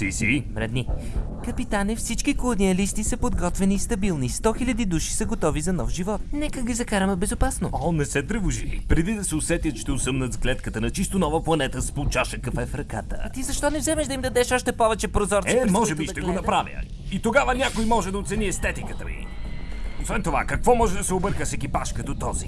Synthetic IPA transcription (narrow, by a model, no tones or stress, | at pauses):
sisimɾɛ̰d̪ni | kɐpit̪anifsit͡ʃkikolˠoniɐlist̪isəpod̪ɡɔt̪vɛniːst̪ɐbilˠnist̪ɔxilʲɐd̪id̪uʃi̥sɐɡot̪ɔvizɐnɔfʒivɔt̪nɛkəɡizɐkaɾɐmɛbɛzopasnoɔnɛsɛt̪ɾəvʊʒḭlḭpɾɛd̪id̪ɐsɛosɛt̪jət̪ʃt̪ɛʊsəmnət̪zɡlɛt̪kət̪ənɐt͡ʃist̪onɔvəplˠɐnɛt̪əspot͡ʃaʃəkɐkfɛɛfɾɐka̰t̪ə̰t̪izɐʃt̪ɔnɛvzɛmɛʃd̪ɐimd̪ɐd̪ɛʃɔʃt̪ɛpɔvɛt͡ʃɛpɾozɔɾt̪ɛmɔʒɛbiʃt̪ɛɡonɐpɾavḭ | it̪oɡavənʲakojmɔʒɛd̪ɐot̪sɛniɛst̪ɛt̪ikət̪ə̰lḭ | osvɛnt̪ova̰kɐkvɔmɔʒɛd̪ɐsɛobɤɾkəsɛkʲipaʃkɐd̪ot̪ɔzḭ